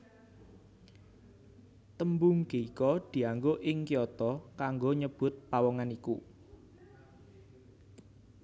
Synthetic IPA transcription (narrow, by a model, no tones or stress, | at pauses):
t̪əmbʊŋkeikɔd̪̥i̤aŋɡoʔɪŋkiɔt̪ɔkaŋɡoɲəb̥ʊt̪̚pawɔŋanikṵ